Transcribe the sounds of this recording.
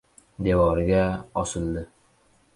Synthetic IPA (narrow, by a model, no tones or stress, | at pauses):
d̪evɒɾɪɡʲaɒsɨlˠd̪ɪ